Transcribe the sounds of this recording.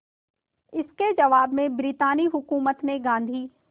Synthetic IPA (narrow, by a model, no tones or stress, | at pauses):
ɪsked͡ʒɐʋaːbmẽbɾiːt̪aːniɦʊkuːmət̪neɡãːnd̪ʱiː